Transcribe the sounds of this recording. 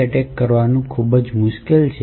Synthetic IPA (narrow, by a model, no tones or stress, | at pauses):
əʈekːəɾʋanũkʰubəd͡ʒmʊʃkelt͡ʃʰe